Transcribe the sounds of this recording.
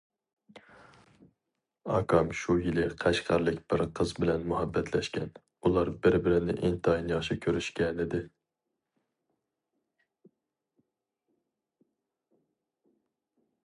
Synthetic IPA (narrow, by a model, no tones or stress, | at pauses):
ɑ̰kʰɑmʃujilɪqʰæʃqʰɑɾlˠɪkʲb̥ɪɾqʰəzbɪlɛnmuɦɑbːɛt̪ʰlɛʃkʲɛn | ulˠɑɾbɪɾbɪɾɪnɪ̰ʔɪnt̪ʰɑinjɑʃɪkʲʰøɾyʃkʲɛnɪd̪ɪ